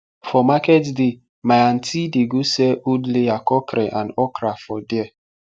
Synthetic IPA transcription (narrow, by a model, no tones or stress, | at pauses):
fɔmakɛtdɪ | maan̩tʰidiɡusɛʔudleakɔkɾɛʔãnɔkɾafɔdɛ